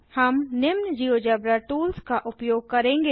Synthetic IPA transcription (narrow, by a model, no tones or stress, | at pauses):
hɐmnɪmnd͡ʒiːod͡ʒɐbɾaʈuːlskaʔʊpjoːɡ̚kɐɾẽːŋɡeː